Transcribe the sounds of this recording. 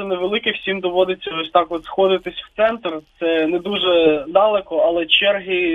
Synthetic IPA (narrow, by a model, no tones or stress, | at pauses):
ɛnɛʋelˠɪkɪxsʲimd̪ɔʋɔd̪ɪt͡sʲːɐɔsʲt̪ɑkɔt̪sxɔd̪ɪt̪ɪsʲwt̪sɛnt̪rt̪sɛnɛd̪uʒɛd̪ɑlˠɛkɔɐlˠɛt͡ʃɛrɦi